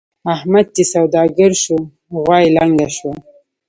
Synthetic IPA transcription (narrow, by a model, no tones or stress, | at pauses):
ahmad̪̚t̪isawd̪ɑɡəɾʃu | ɣwɑjlaŋɡaʃwa